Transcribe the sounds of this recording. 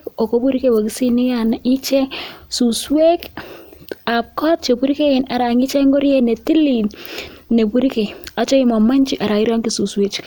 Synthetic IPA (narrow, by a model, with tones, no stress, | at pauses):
ko˨ko˦pu˦ɾike˦wa˨ki˨si˦ni˦ja˦ni˦t͡ʃɛ˦su˨swe˦k | a˨p̚kɔ˦t̚t͡ʃe˨pu˦ɾike˦ɪ˨na˨ɾa˨ŋi˦t͡ʃɛ˦ŋɡɔ˦ɾjɛ˦˨nɛ˨ti˦li˨nnːe˨pu˦ɾike˨a˨t͡ʃɔ˦i˦mɔ˨ma˦ɲt͡ʃi˨ʔa˨ɾa˨i˦ɾɔ˦ŋki˦su˨swe˦t͡ʃ